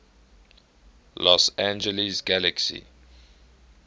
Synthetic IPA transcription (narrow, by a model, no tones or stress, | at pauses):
lɔsæ̃nd͡ʒəlisɡæləksḭ